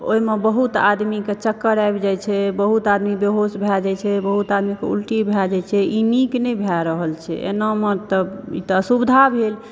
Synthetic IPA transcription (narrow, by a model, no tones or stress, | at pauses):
oimebəɦut̪a̰d̪miket͡ʃəkːəɾajbd͡ʒajt͡ʃʰɛbəɦut̪ad̪mibeɦosbʱɛd͡ʒajt͡ʃʰɛbəɦut̪ad̪mikḛṵlʈibʱɛd͡ʒat͡ʃʰɛiniknɛjbʱaɾəɦəlt͡ʃʰɛ̰ʔḛnɔmət̪əḭt̪ɔəsubd̪ʱabʱel